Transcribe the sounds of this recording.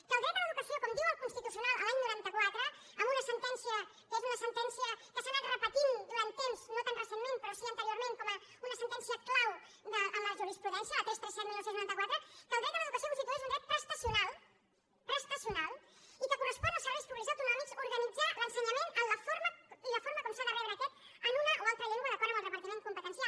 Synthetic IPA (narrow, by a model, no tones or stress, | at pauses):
kəlˠðɾɛt̪d̪ələðukəsiokɔmd̪iwəlˠkunst̪it̪usjunalˠəlaɲnuɾant̪əkwat̪ɾəː | mbunəsənt̪ɛnsiə | kezunəsənt̪ɛnsiəkəasanat̪rəpət̪ind̪uɾant̪emz̥not̪anrəsenmẽnpəɾɔsiənt̪əɾioɾmẽŋkɔmə | unəsənt̪ɛnsiəklaw | d̪əʔːmləʒuɾispɾuðɛnsjəðt̪ɛsp̪ɾəsɛt̪̚milˠːowsẽnznuɾant̪kwat̪ɾəkəlˠðɾɛt̪̚ələðukəsjomuzikalˠezunɡ̪ɾɛt̪̚pɾəst̪əsjunalˠ | pɾəst̪əsiunalˠikəkurəspɔnəlˠsəɾβɛjspuβlizawt̪unɔmikzuɾɣənid͡zalənsəɲɐmenəmləfoɾmələfoɾməkɔmsaðəβɛwɾəːkɛt̪ənunəʔoalˠt̪ɾəʎɛŋɡwəðəkɔɾðəməlˠrəpəɾt̪imẽn̚kumpət̪ənsjal